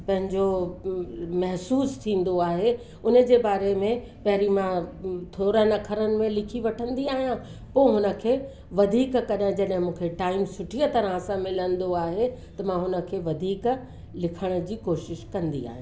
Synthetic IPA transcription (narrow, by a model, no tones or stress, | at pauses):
pɐ̃ɦɪ̃ɲd͡ʑo | mɐɦsuːst̪ʰĩːn̆d̪oaːɦe | ʊnə̆d͡ʑeːbaːɾemẽ | pɐɦɪɾimãt̪ʰoːɾənɐkʰəɾənɪ̆mẽlɪkʰiʋɐʈʰə̃nd̪iaːɦijã | poːɦʊnə̆kʰeː | ʋɐd̪ʱiːkkɐɗə̃d͡ʑɐɗɦɪ̃mũːkʰeʈaːɪmsʊʈʰiət̪ɐɾəɦə̃sãmɪlənd̪oaːɦet̪ɐmãɦʊnə̆kʰeːʋɐd̪ʱiːk | lɪkʰəɽ̃ə̆d͡ʑiːkoːʃɪʃkɐ̃nd̪ḭa̰ːɦij̃ː